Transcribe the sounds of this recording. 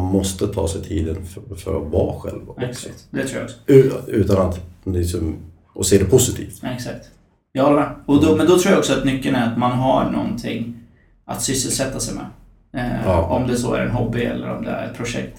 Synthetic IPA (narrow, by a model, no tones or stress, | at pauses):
nmɔst̪ət̪ʰɑːsɛjt̪ʰiːd̪ənffœ̰ɾavɑːɧɛ̰lvɛkssakt̪d̪ɛt̪ʰɾuːj̰aɔksɔ̥ʉ̟ːt̪anat̪ɪksɔm | ʔɔseːd̪ɛpʰʊsɪt̪ʰḭːft̪ɛksak̚t̪ | jɑːhɔlːɾəmɛːɔd̪ɔmɛnd̪ɔt̪ʰɾuːjaɔksɔat̪mʏkːənæɾat̪manɦaɳɔ̰nt̪ʰɪ̰ŋː | ʔa̰t̪sʏsːəlsɛt̪ːasɛjmɛ̰ | ɔmd̪ɛsɔːæ̰ɾɛ̰nɦɔbːɪɛ̰lːə̰ɾɔ̰md̪ɛ̰æ̰ɾɛt̪̚pʰɾʊʂɛ̰k̚t̪